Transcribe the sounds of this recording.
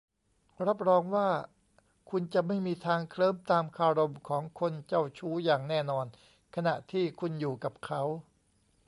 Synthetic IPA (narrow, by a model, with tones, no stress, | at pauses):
ɾa˦˥p̚ɾɔː˧ŋwaː˥˩ | kʰu˧nt͡ɕa˨˩ʔma˥˩jmiː˧t̪ʰaː˧ŋkʰlɤː˥˩˨mt̪aː˧mkʰaː˧ɾo˧mkʰɔː˩˦ŋkʰo˧nt͡ɕa˥˩wt͡ɕʰuː˦˥jaː˨˩ŋnɛː˥˩nɔː˧n | kʰa˧na˨˩ʔt̪ʰiː˥˩kʰu˧njuː˨˩ka˨˩p̚kʰa˦˥w